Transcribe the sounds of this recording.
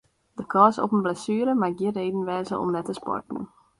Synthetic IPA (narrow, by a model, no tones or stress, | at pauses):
d̥əkʰɑːsɔ̰pənblɛsyːɾəmaɡɪreːdn̩ʋɛːzəʔɔ̰mnɛtəspɔ̰rtnə̰